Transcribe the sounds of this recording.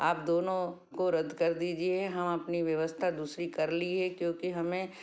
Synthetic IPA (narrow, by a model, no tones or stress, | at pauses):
aːp̚d̪oːnõ | koɾɐd̪kɐɾd̪iːd͡ʒieɦɛɦɐmɐpniʋjɐʋəst̪ʰad̪uːsɾikɐɾliɦɛkjõːkiɦɐmẽ